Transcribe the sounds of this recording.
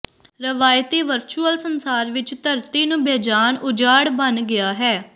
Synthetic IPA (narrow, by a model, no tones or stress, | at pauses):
ɾəʋaːjt̪eːʋəɾt͡ʃuːəlsənsaːɾʋɪt͡ʃt̪əɾt̪iːnũːbɛːd͡ʒaːnʊd͡ʒaːɽbənɡɪaːɦɛː